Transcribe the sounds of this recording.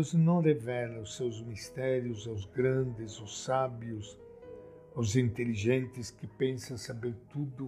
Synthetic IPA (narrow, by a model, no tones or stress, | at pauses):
znɐ̃w̃revɛlɐʊsːewzmist̪ɛɾjʊzawzɡɾɐ̃nd̪ɪzʊsːabjʊs | awzĩnt̪eliʒẽnt̪ɪskɪpẽnsɐ̃sabeɾt̪ud̪ʊ